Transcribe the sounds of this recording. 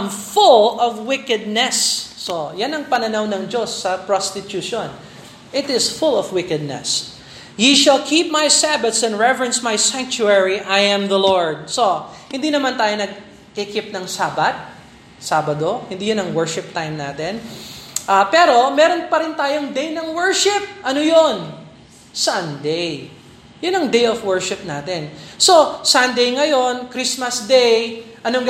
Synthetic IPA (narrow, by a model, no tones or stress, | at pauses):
mfʊlɔvwɪkɛd̪̚nɛsːojanɐŋpɐnɐnawnɐŋd͡ʒosːɐpɹost̪ɪt̪uʃon | ʔɪt̪ɪsfʊlɔvwɪkɛd̪̚nɛ̰s | jiʃɐlkʰip̚majsabat̪sɛ̃nd̪ɹɛvɹɐ̃nsmajsãŋk̚t͡ʃʊɛɹiʔajɐ̃mðɐloɹd̪̚so̞hɪnd̪inɐmant̪aːjonɐɡ̚ | kɪkɪp̚nɐŋsaːbat̪̚ | saːbɐd̪ohɪnd̪iːjʊnɐŋwɛɹʃɪp̚t̪ajmnaːt̪ɛnʔapɛɾo̞mɛːɾonpɐɾɪnt̪aːjoŋd̪ejnɐŋwɛɹʃɪp̚ʔɐnojon | sɐnd̪ej | jʊnɐŋd̪ejofwɛɹʃɪp̚naːt̪ɛnsosɐ̃nd̪ejŋɐjo̞nkɾismɐsd̪ejʔɐnoŋ